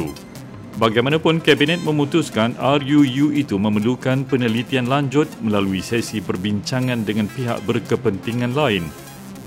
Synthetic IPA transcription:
u | baɡajmanãpʊnkɛbinɛt̪̚mə̃mut̪uskanarjujuit̪umə̃məlukanpənəlit̪ianlaɲd͡ʒʊt̪̚mə̃laluisɛsibərbiɲt͡ʃaŋãndəŋãnpiɦa̰ʔ̚bərkəpənt̪iŋãnlaɪn

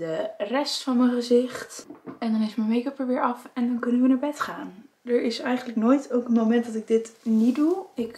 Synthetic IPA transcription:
dərɛstfɑnməχəzɪχtɛndɑnɪsmənmejkəpəɹʋɪːɹɑfɛndɑnkɵnənʋənaːɹbɛtχaːn | dəɹɪsɛjχəndələknoːjtowkənmowmɛntdɑtɪɡ̚dɪtniduɪk

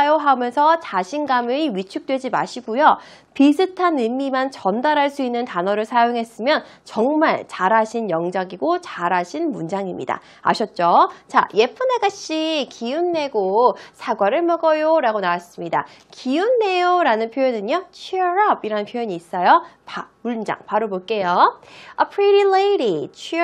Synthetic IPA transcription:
joɦamjʌnsʰʌt͡ɕaɕʰinɡamɯiɥit͡ɕʰuk̚t͈we̞d͡ʑima̰ɕʰiɡujo | pisʰɯtʰanɯmːimant͡ɕʌndaɾɦaɭs͈uinːɯntanʌɾɯɭsʰajoŋɦe̞s͈ɯmjʌn | t͡ɕʌŋmaɭt͡ɕaɾaɕʰinjʌŋd͡ʑaɡiɡot͡ɕaɾaɕʰinmund͡ʑaŋimɲḭda̰ | a̰ɕʰʌt̚t͡ɕ͈ot͡ɕa̰je̞pʰɯneɡaɕ͈ikijunːe̞ɡosʰaɡwaɾɯɭmʌɡʌjoɾaɡonawas͈ɯmɲida̰kijunːe̞joɾanɯnpʰjojedɯɲot͡ɕʰiɾʌbiɾanɯnpʰjojʌɲiːs͈ʌjopamuɭd͡ʑa̰ŋpaɾoboɭk͈e̞joʌpʰɾiɾileiɾit͡ɕʰ

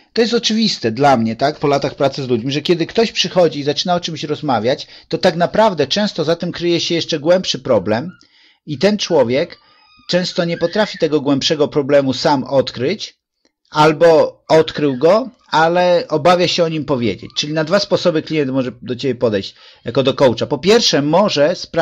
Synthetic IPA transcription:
t̪ɔjɛst̪ɔt͡ʂɘvʲist̪ɛd̪lamɲɛt̪akpɔlat̪axpɾat̪sɘzlud͡ʑmʲiʐɛkʲɛd̪ɘkt̪ɔɕpʂɘxɔd͡ʑiːzat͡ʂɘnaɔt͡ʂɘmɕɾɔzmavʲjat͡ɕt̪ɔt̪akn̪apɾavd̪ɛt͡ʂɛ̃w̃st̪ɔzat̪ɛmkɾɘjɛɕɛjɛʂt͡ʂɛɡwɛmpʂɘpɾɔblɛm | it̪ɛnt͡ʂwɔvʲjɛk | t͡ʂɛ̃w̃st̪ɔɲɛpɔt̪ɾafʲit̪ɛɡɔɡwɛmpʂɛɡɔpɾɔblɛmusamɔt̪kɾɘt͡ɕ | albɔɔt̪kɾɘwɡɔ | alɛɔbavʲjaɕɛɔɲimpɔvʲjḛd͡ʑḛt͡ɕt͡ʂɘlʲinad̪vaspɔsɔbɘklʲijɛnt̪mɔʐɛd̪ɔt͡ɕebʲjɛpɔd̪ɛjɕt͡ɕ | jakɔd̪ɔkɔwt͡ʂapɔpʲjɛɾfʂɛmɔʐɛsp

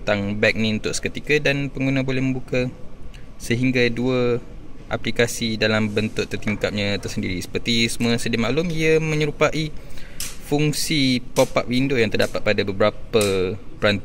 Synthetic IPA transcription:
t̪aŋbɛk̚nĩunt̪ʊʔsə̥kət̪ikadanpəŋɡunabolɛhmə̃mbuka | səɦiŋɡaduaʔa̰plikasidalambənt̪ʊʔt̪ərt̪iŋkap̚ɲãt̪ərsəndiɾisə̥pərt̪isəmũasədimaʔlʊmiamə̃ɲəɾupaʔi | fuŋsipopaʔwindʊjaŋt̪ərdapat̪̚padabəbəɾapapəɾant̪

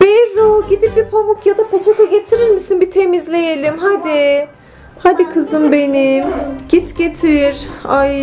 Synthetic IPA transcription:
b̥eɾoɟid̪ip̚bipʰamukjad̪abut͡ʃʰakaɟe̞t̪ʰiɾiɾmisinbit̪ʰe̞mizlʲe̞jelʲimɦad̪i | had̪ikʰɯzɯnbe̞nimɟ̥it̪ɟet̪ʰiɾaj

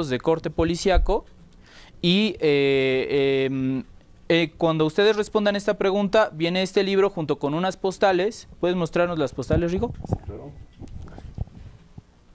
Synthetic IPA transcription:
ozðe̞ko̞ɾt̪e̞po̞lisjako̞ | ie | m | ekwand̪o̞ust̪e̞ðe̞zre̞spo̞nd̪ane̞st̪apɾe̞ɣ̞ũnt̪aβje̞neest̪e̞liβ̞ɾo̞xunt̪o̞ko̞nũnaspo̞st̪ale̞spwe̞ð̞e̞nmo̞st̪ɾaɾno̞zlaspost̪ale̞zriɣo̞sia

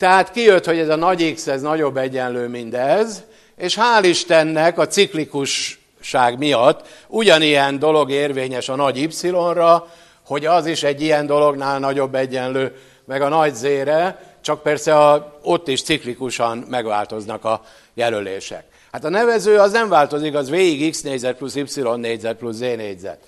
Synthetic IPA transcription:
t̪ɛɦaːt̪kijøt̪ho̞ɟɛzɒnɒɟiksɛznɒɟo̞bːɛɟːɛnløːmind̪ɛz | eːʃhaːliʃt̪ɛnːɛkɒt̪siklikuʃː | aːɡmijɒt̪ːuɟɒnijɛnd̪o̞lo̞ɡeːrveːɲɛʃɒnɒɟipsilo̞nrɒ | ho̞ɟɒziʃɛɟːijɛnd̪o̞lo̞ɡnaːlnɒɟo̞bːɛɟːɛnløː | mɛɡɒnɒɟzeːɾɛ | t͡ʃɒk̚pɛrsɛo̞t̪ːiʃt̪siklikuʃɒnmɛɡʋa̰ːlt̪o̞znɒkɒ | jɛlølḛːʃɛ̰k̚ | hat̪ɒnɛvɛzøːɒznɛɱvaːlt̪o̞zikɒzʋeːiɡiksneːɟzɛt̪̚plusipsilo̞nːeːɟzɛt̪̚plusːeːneːɟzɛ̰t̪

